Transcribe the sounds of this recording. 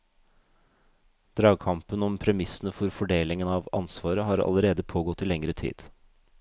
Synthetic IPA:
d̪̥ɾɑːɡ̚kʰɑmpənɔmpʰɾɛmɪsən̩əfɔɾfɔɖeːlɪŋənɑːʋɑ̰nsʋɑːɾəɦɑɾɑ̰ləɾeːd̪əpʰoːɡɔt̪ːiːlɛŋɾət̪ʰḭːd̪̥

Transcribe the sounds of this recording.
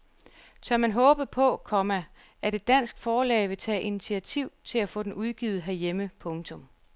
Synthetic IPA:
t͡sʰɶɐmænɦɔ̽ːb̥ð̩ˠpʰɒ̽kʰɒ̽mæ | ʔæd̥e̝d̥̚ːæn̰sɡ̥fɒːlɛ̰ːɪʋe̝t͡sʰɛ̰ːʔinit͡sʰiæt͡sʰiʊ̰t͡sʰe̝læfɔ̽ːdenuð̞ˠɡ̥iːð̩ˠɦæɐjeməpʰɔ̽ŋt͡sʰɔ̽m

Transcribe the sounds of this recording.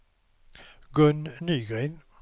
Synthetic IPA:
ɡœnnyːɡʁɛːn

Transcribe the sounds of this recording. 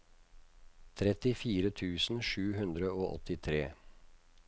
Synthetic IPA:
t̪ʰɾɛt̪ɪfiːɾət̪ʰʉːsn̩ʂʉːɦʉnd̪ɾəoːʔɔ̰t̪ɪt̪ʰɾeː

